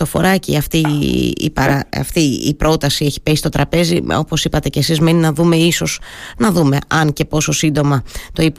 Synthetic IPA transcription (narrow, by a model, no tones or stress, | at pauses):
ofo̞̰ɾɐcḭɐft̪iḭpɐɾɐɐ̰ft̪iḭpɾo̞t̪ɐsieçi̥pesi̥st̪ot̪ɾɐpe̞zio̞̰po̞sipɐt̪e̞ce̞sizme̞ninɐðume̞iso̞z̥nɐðume̞ʔɐnce̞po̞so̞sind̪o̞mɐt̪o̞ip